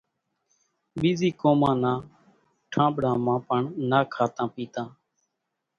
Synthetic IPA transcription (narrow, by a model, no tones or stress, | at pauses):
ɓiːziːkoːmãːnãː | ʈʰãːɓɽãːmãːpəɳnaːkʰaːt̪ãːpiːt̪ãː